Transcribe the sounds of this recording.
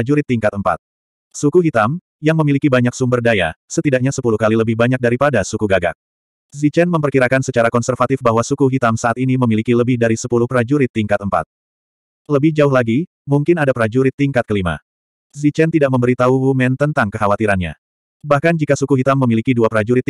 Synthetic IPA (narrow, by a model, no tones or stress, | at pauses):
d͡ʒuɾɪt̪ːiŋkat̪̚əmpa̰t̪̚ | sukuɦit̪am | jaŋməmilikibaɲaksumbərdaja̰sət̪idak̚ɲasəpuluhkaliləbɪhbaɲak̚daɾipadasukuɡaɡa̰k̚ | zit͡ʃɛnməmpərkiɾakansət͡ʃaɾakɔnsərfat̪ɪfbaɦwasukuɦit̪amsaʔat̪iniməmilikiləbɪhdaɾisəpuluhpɾad͡ʒuɾɪt̪ːiŋkat̪̚əmpa̰t̪̚ | ləbɪhd͡ʒaʊɦlaɡi | muŋkɪnadapɾad͡ʒuɾɪt̪ːiŋkat̪kəlima̰ | zit͡ʃɛnt̪idaʔk̚məmbəɾit̪auumɛnt̪ənt̪aŋkəɦawat̪iɾanɲa̰ | bahkand͡ʒikasukuɦit̪amːəmilikiduapɾad͡ʒuɾɪt̪